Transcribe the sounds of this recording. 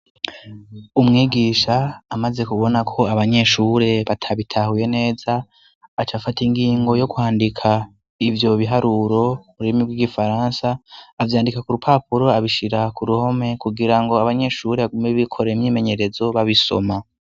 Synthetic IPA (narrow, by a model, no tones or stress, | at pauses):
umŋiːɡiʃaːmaze̞kuβo̞nakʰo̞aβaɲe̞ʃuɾe̞βatʰaβitʰahuje̞ne̞ːzaː | t͡ʃafatiŋɡiːŋɡo̞jo̞kuhaːndikʰa | ivjo̞βiɦaɾuɾo̞muɾimiɾɡwiɡifaɾaːnsaːvjaːndikakuɾupʰaːpuɾo̞aβiʃiɾakuɾuho̞me̞kuɡiɾaŋɡo̞aβaɲe̞ʃuɾeβaɡumeβikʰo̞ɾeimɲiːme̞ɲe̞ɾe̞zo̞βaβiso̞̰ma